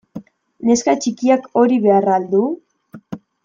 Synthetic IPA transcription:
ne̞skat͡ʃikiako̞ɾiβe̞arald̪u

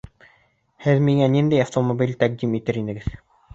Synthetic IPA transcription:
hɘðmiŋænind̪æjɐft̪omobʲilʲt̪æq̚d̪imit̪ɘɾinɘ̆ɡɘð

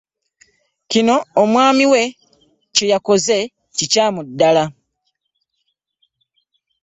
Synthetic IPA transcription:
cino̞ːmwaːmiwe̞ | ce̞jako̞ze̞ | cicaːmudːala

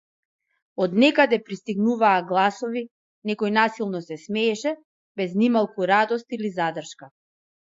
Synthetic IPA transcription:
ɔd̪nɛkad̪ɛpɾist̪iɡnuvaːɡlˠasɔvi | nɛkɔjnasilˠnɔsɛsmɛːʃɛ | bɛznimalˠkuɾad̪ɔst̪ilizad̪r̩ʃka

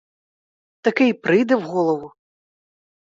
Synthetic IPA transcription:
t̪akɛjpɾɨjd̪ɛwɣɔlˠɐvu

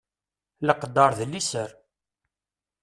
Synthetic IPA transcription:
ləqd̪ɑɾˤðəlːisəɾ

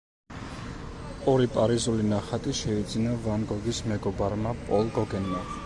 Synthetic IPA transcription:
ɔɾipʼaɾizulinaχat̪ʼiʃɛid̪zinavanɡɔɡismɛɡɔbaɾmapʼɔlˠɡɔɡɛnma

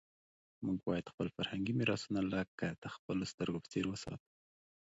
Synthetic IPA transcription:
muɡ̚bɑjad̪̥xpəlfaɾhaŋɡimɪɾɑsunalakːəd̪̥əxpəlost̪əɾɡopə̥t͡seɾwəsɑ̰t̪u̥

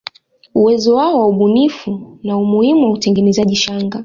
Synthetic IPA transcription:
uwɛzɔwaɔwauɓunifunaumuhimuwautɛŋɡɛnɛzaʄiʃaŋɡa

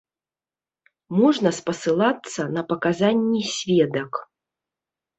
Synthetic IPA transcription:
mɔʐnɐspɐsɨlˠat̪sːɐnɐpɐkazanʲːisʲvʲɛd̪ɐk

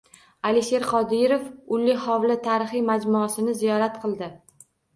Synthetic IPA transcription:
aliʃe̞ɾqɒd̪iɾofʊlːɪhawlɪt̪ʰaɾɪχijmad͡ʒmʊasɪnɪzijɒɾat̪qʰɨlˠd̪ɪ

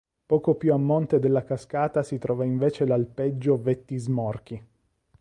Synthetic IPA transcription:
pɔːkopjuamːont̪ed̪elːakaskaːt̪asit̪ɾɔːvaiɱveːt͡ʃelalped͡ʒːovet̪ːizmɔrk̟i

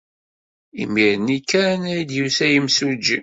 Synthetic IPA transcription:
ḭmiɾənikːænæjd̪jusæjəmsud͡ʒi

